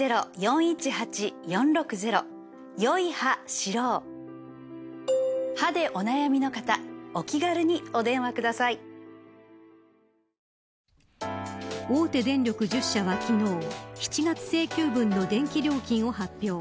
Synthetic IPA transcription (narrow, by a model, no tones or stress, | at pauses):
e̞ɾojõ̞ɰ̃it͡ɕihat͡ɕijõ̞nɾo̞kɯ̟ze̞ɾo̞̰ | jo̞ihaɕiɾoː | had̪e̞ʔo̞najamʲino̞kat̪ao̞kʲiɡaɾɯ̟ɲ̟io̞d̪ẽ̞ɰ̃akɯ̟d̪asai | o̞ːt̪e̞d̪ẽ̞nɾʲo̞kɯ̟ʑɨɕːaβakʲino̞ːçi̥t͡ɕiɡat͡sɨ̥se̞ːkʲɨːbɯ̟̃nːo̞d̪ẽ̞ŋkʲiɾʲo̞ːkʲĩɰ̃o̞ɦapʲːjo̞ː